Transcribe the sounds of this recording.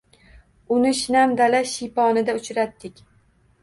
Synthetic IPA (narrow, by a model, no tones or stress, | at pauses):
ʊnɪʃɪnamd̪alaʃijpɒnɪd̪aʊt͡ʃʰɾat̪ːɪkʲ